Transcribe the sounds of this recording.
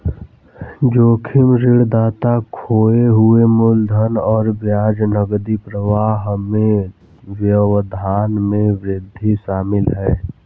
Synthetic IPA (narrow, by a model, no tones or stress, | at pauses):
d͡ʒoːkʰɪmɾɪɽd̪aːt̪akʰoːeɦuemʊld̪ʱənɔːɾbjaːd͡ʒnəɡd̪ipɾəʋaːɦmẽ | ʋjəwd̪ʱaːnmẽʋɾɪd̪ʱːiʃaːmɪlɦɛː